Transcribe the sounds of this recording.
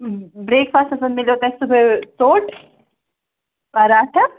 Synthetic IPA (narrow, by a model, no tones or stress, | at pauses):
bɾeːkfaːst̪ɐsɐ̃nd̪mɪleɦoːt̪eɦɛ̃subʱesoːʈ | ɐɾaːʈʰɐ